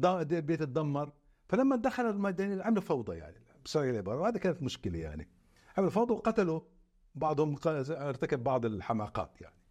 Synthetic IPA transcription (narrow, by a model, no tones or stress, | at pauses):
d̪elbeːt̪t̪̚d̪ːamːɑɾˤ | falamːad̪axalalmad̪ːaniʕamlfɑwd̪ˤɑja̰ʕni | bsɑɾˤɑʕalʕɪbɑːɾˤɑwhaːd̪akaːnat̪mʊʃkɪlaja̰ʕnḭ | ʕamlfɑwd̪ˤɑwqɑt̪alʊ | bɑʕd̪ˤhʊmqɑɾt̪akabbɑʕd̪ˤɪlħamaːqɑ̰ːt̪ja̰ʕni